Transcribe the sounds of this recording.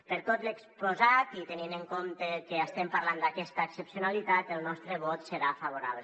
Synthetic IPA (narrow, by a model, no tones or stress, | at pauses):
pəɾt̪ot̪lekspozat̪it̪enineŋkomt̪əkeəst̪ɛmpaɾland̪akɛst̪əːksəpsiunalit̪at̪elˠnɔst̪ɾəβɔt̪səɾafaβ̞uɾa̰βle